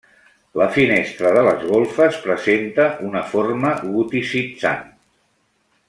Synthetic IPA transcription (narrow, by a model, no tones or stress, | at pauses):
ləfinest̪ɾəðələzɣolˠfəspɾəzent̪əʔunəforməɣut̪isit͡sa̰n